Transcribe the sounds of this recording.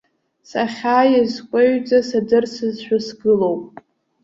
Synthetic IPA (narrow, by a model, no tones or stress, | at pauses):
saχʲaːjazkʷʼeɥd͡zʼasadɨrsɨzʃʷᶣasɡɨlo̞wpʼ